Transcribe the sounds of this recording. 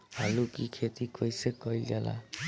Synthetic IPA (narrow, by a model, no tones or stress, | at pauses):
ɦalukikʰet̪ikʌjsekʌjld͡ʒala̰